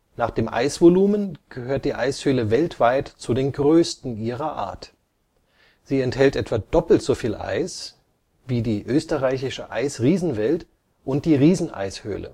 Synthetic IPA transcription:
naːχd̥eːmʔa̰ɪsv̥oluːmənɡ̥əhøːɐt̚d̥iːʔaɪshøːləvɛltv̥aɪtt͡sudeːnɡʁøːstn̩ʔiːʁɐʔa̰ːɐt | z̥iːɛnthɛltʔɛtv̥aːd̥ɔpl̩tz̥ofiːlʔa̰ɪs | viːdiːʔøːstəʁaɪçɪʃəʔa̰ɪsʁiːzn̩vɛlt | ʔʊnt̚d̥iːʁiːzn̩ʔa̰ɪshø̰ːlə̰

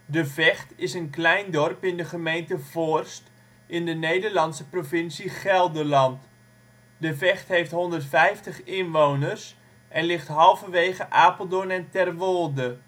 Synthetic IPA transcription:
dəvɛχtɪsənklɛjndɔrpɪndəχəmejntəv̥orst | ɪndənejdərlɑnsəprovɪnsiχɛlˠdərlɑnt | dəvɛχtɦejftɦɔndərtfɛjftəχɪnʋownərs | ʔɛnlɪχtɦɑlˠvəʋeːχəʔaːpəl̩ˠdonɛntɛrʋolˠdə

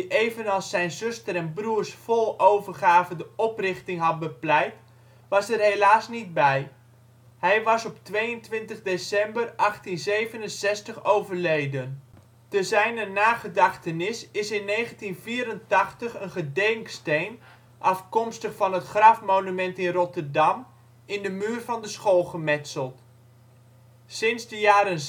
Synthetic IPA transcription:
diʔeːvənɑlˠsːɛjnzʏstəɾɛnbruərsfɔlˠowvərχaːvəndəɔprɪχtɪŋɦɑt̚bəplɛjt | ʋɑsərɦelaːsnid̚bɛj | hɛjʋɑsɔptʋejəntʋɪntəχdesɛmbərʔɑχtinzeːvənənsɛstəχowvərlejdən | təzɛjnənaːχədɑχtənɪsɪsɪnːejχəntinviːɾəntɑχtəχənχədɛŋkstejn | ʔɑfkɔmstəχfɑnətχrɑfmownymɛntɪnrɔtərdɑm | ɪndəmyːrvɑndəsχoːlˠχəmɛtsəlˠt | sɪnzdəjaːɾən

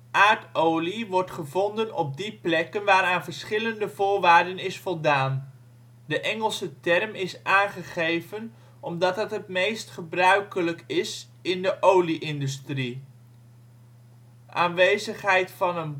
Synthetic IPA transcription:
ʔaːɹtowliʋɔɹtχəvɔndənɔ̰b̚diplɛkənʋaːɾaːnvəɹsχɪləndəvʊːɹʋaːɹdənɪsfɔlˠdaːn | dəʔɛŋəlˠsətɛrmɪsʔaːnχəχejvən | ʔɔmdɑtɦətɦətmejstχəbrœɥkələkɪs | ɪndəʔowliʔɪndystri | ʔaːnʋejzəχɦɛjtfɑnən

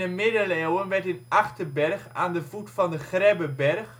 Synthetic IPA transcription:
əmɪdəleːwənʋɛɹtɪnʔɑχtəbɛrχa̰ːndəvutfɑndəχrɛbəbɛrχ

